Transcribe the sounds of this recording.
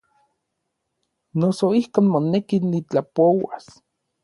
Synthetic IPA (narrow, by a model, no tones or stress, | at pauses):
nosoihkoːnmonekinːit͡ɬapowa̰s